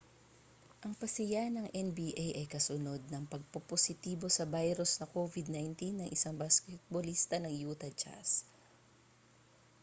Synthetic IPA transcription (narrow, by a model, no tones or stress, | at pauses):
ʔɐŋpɐsɪjanɐŋʔɛnbiːʔajʔɐjkɐsʊno̞d̪̚nɐŋpɐɡ̚pɐposɪt̪iːbo̞sɐbajɾosnɐkoːvɪd̪̚najnt̪inːɐŋʔɪsaŋbaskɛt̪̚bolist̪ɐnɐŋjuːt̪ɐd͡ʒa̰s